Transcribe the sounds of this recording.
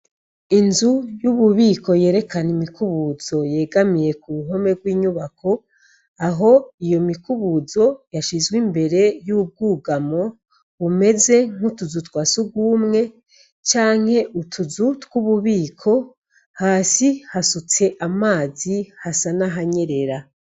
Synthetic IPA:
inzujuβuβiːkʰo̞je̞ːɾe̞kanimikuβuzo̞je̞ːɡamije̞kuβuɦo̞me̞vɡwiːɲuβakʰo̞ | aɦo̞ijo̞mikuβuzo̞jaʃizɡwimbe̞ɾe̞jub̚ɡuːɡamo̞ | βume̞ze̞ŋ̥utuzutwaːsuɡwumŋe̞ | t͡ʃaːŋ̥he̞ʔutʰuzutkuβuβiːkʰo̞ | haːsihasut͡se̞ʔamaːzihasanaɦaɲe̞ɾe̞ɾa

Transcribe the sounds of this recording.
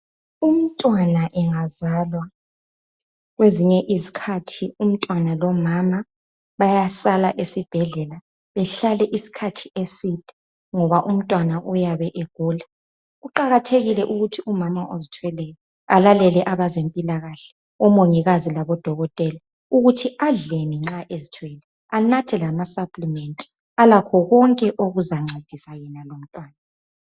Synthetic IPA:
um̩tʼwanaʔɛŋazalwa | ɣweziɲɛʔizikʰatʰium̩tʼwanalɔmama | βajasalaʔesib̥ʱɛɮɛla | βɛɬalɛʔisi̥kʰatʰi̥esitʼɛ̥ | ŋɔβaʔum̩tʼwanaʔujaβɛʔeɡ̥ʱuːla | ɣuǃaɣatʰeɣilɛʔuɣutʰiumamaʔozitʰwɛlɛjɔ | alalɛlɛʔaβazempʼilaɣaɬɛ̥ | ɔmoŋiɣazilaβɔd̥ʱɔɣɔtʼɛla | uɣutʰiaɮeniŋ͡ǁaʔezitʰwɛlɛ | anatʰɛlamasapʼlimentʼi̥ | alakʰɔɣɔŋkʼɛʔoɣuzaŋ͡ǀʱed̥ʱisajɛnalom̩tʼwaːna

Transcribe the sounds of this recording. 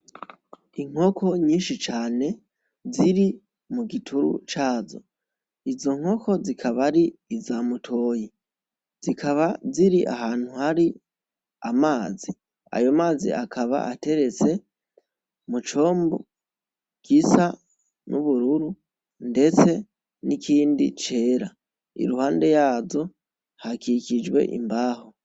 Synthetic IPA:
iŋ̥o̞kʰo̞ɲiːnʃit͡ʃaːne̞ | ziɾi | muɡitʰuɾṵt͡ʃaːzo̞̰ | izo̞ŋ̥ho̞kʰo̞zikʰaβaɾiːzamutʰo̞ːji | zikʰaβaziɾiʔa̰ɦaːn̥huhaɾi | amaːzi | a̰jo̞maːzḭʔakʰaβa̰ʔate̞ɾe̞t͡se̞ | mut͡ʃo̞ːmbo | kisa | nʔuβuɾuɾu | nde̞t͡se̞ | nikʰiːndḭt͡ʃe̞ːɾa | ḭɾuhaːnde̞jaːzo̞ | hakikid͡ʒwe̞̰ʔḭmbaːho̞

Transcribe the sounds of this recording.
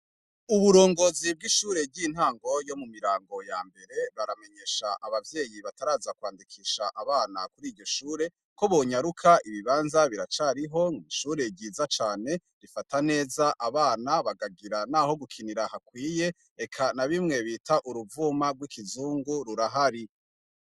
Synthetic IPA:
uβuɾo̞ːŋɡo̞ːzib̚ɡiʃuːɾe̞ɟin̥haːŋɡo̞jo̞mumiɾaːŋɡo̞jaːmbe̞ɾe̞βaɾame̞ɲe̞ʃaʔaβavje̞ːjiβataɾaːzakwaːndikʰiːʃaʔaβaːnakuɾiːɾɟo̞ʃuːɾe̞ | ko̞βoɲaɾukʰaiβiβaːnzaβiɾat͡ʃaːɾiɦo̞ŋiʃuːɾe̞ɟiːzat͡ʃaːne̞ | ɾifatane̞ːzaʔaβaːnaβaɡaɡiɾanaːho̞ɡukʰiniɾahakwiːje̞ | ekʰanaβimŋe̞βiːtʰaʔuɾuvumaɡwikizuːŋɡuɾuɾaɦaɾi

